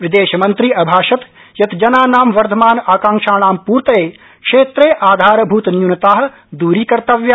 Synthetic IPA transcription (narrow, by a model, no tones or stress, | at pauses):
ʋɪd̪eːʃɐmɐnt̪ɾiːʔɐbʱaːʃɐt̪ | jɐt̪d͡ʒɐnaːnaːmʋɐɾt̪ʰɐmaːnaːkãːŋʃaːnaːmpuːɾt̪ɐeː | kʂeːt̪ɾeːʔaːd̪ʱaːɾɐbʱuːt̪njunɐt̪aːɦɐ̆ | d̪uːɾiːkɐɾt̪ɐʋjɐ